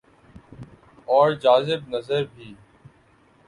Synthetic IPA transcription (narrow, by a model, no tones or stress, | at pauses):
ɔːɾd͡ʒaːzɪbnəzəɾbʱiː